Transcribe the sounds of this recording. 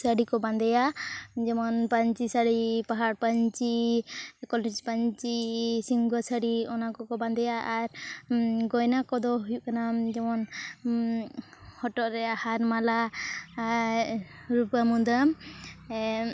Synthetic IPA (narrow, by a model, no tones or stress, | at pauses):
saɽikɔband̪ɛjad͡ʒɛmɔnpaɲt͡ʃisaɽipaɦaɽpaɲt͡ʃi | kɔlɛd͡ʒpaɲt͡ʃisiŋɡwasaɽiɔnakɔkɔband̪ɛjaʔːɾ | ɡɔjnakɔd̪ɔɦujuʔkanad͡ʒɛmɔn | hɔʈɔʔɾɛahaɾmala | ɾupamud̪am